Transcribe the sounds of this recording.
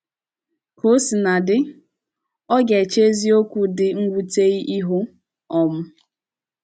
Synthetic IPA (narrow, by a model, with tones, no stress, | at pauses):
ko˦si˨na˨dɪ˦ | ɔ˦ɡe˨t͡ʃe˦zi˦o˦kʷu˨dɪ˨ŋ̩˦ɡʷu˦te˦i˦ʔi˦ɦʊ˦ | ɔ˨m̩˦